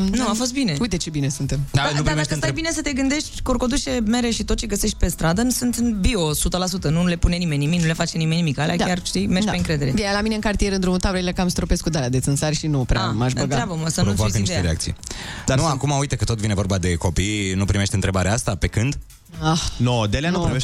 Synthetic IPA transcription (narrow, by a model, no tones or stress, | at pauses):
nuafo̞s̬t̪̚bineujt̪et͡ʃe̞binesunt̪emd̪anup̪id̪aest̪ajbine̞sət̪e̞ɡɨnd̪e̞ʃt̪ʲkorkod̪ut͡ʃeme̞ɾeʃit̪ot̪̚t͡ʃeɡəse̞ʃt̪̚ʲpe̞st̪ɾad̪ənusɨnt̪ɨnbio̞sut̪əlasut̪ənule̞pune̞nime̞nʲːimiknule̞fat͡ʃenimenimikalea̰k̪ajarʃt̪imerʒd̪apeɨŋkɾe̞d̪e̞ɾed̪elamineɨŋkart̪ije̞ɾɨnd̪ɾumut̪ableelekamst̪ɾopeskud̪aɾead̪et̪sʲɨnsaɾʲʃinupɾʔa̰amaʃb̪təɡaɾabəməsənɾooakəniteɾeakt̪sḭjd̪aɾnuakumaujt̪əkət̪o̞t̪vine̞vo̞rɾbad̪e̞ko̞pijnupɾime̞ʃt̪ɨnt̪ɾebaɾeaast̪ape̞kɨnd̪ | axnod̪eleanupimeʃ